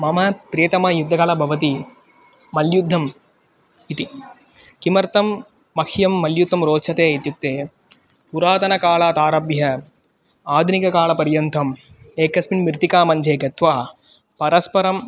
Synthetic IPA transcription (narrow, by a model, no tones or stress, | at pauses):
mɐmɐpɾejt̪ɐmɐːjud̪ʱːɐkɐlɐbʱɐʋɐt̪i | mɐljud̪ʱːɐm | it̪i | kimɐɾt̪ɐmː | ɐkʰjɐmːɐljut̪ʰːɐmɾoːtt͡ʃʰɐt̪eːit̪juk̚t̪eː | puɾaːt̪ɐnɐkaːlaːt̪aːɾɐbjɐ | aːd̪ʱnikɐkaːlɐpɐɾjɐnt̪ʰɐmeːkɐsminmiɾt̪ikaːmɐɲd͡ʒeːɡɐt̪ʋaː | pɐɾɐspɐɾɐm